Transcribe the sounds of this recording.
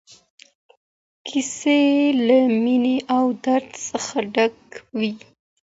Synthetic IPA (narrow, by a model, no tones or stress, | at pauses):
kʰiselamineʔawd̪aɾd̪səxaɖaɡwi